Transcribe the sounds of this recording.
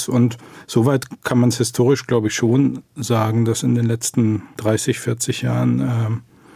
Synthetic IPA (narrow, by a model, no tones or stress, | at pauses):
sʊntz̥oːvaɪtkʰanmanshɪstʰoːʁ̞ɪʃɡ̥laʊbəɪçʃoːnzaːɡŋ̩dasɪndeːnlɛt͡stn̩d̥ʁaɪsɪçfɪɐt͡sɪçjaːʁənʔɛː